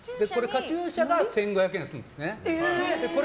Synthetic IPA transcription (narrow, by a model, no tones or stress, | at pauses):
d̪eko̞ɾe̞kat͡ɕɨːɕaɡasẽ̞ŋɡo̞hjakẽsɨɯ̰̃ndd̪esɨned̪e̞ko̞ɾ